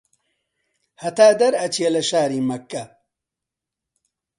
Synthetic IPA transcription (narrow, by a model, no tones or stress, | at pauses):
hɐt̪aːd̪ɐɾɐt͡ʃijɐlɐʃaːɾiːmɐkːɐ